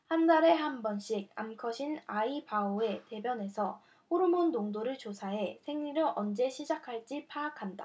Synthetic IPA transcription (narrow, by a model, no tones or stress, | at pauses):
handaɾe̞ɦambʌnɕ͈ʰiɡ̚a̰mkʰʌɕʰinaipaoe̞te̞bjʌne̞sʰʌ | ɸoɾumondoŋdoɾɯɭt͡ɕosʰaɦe̞sʰe̞ŋɲiɾoʔʌnd͡ʑe̞ɕʰid͡ʑakʰaɭt͡ɕ͈ipʰaːkʰanda̰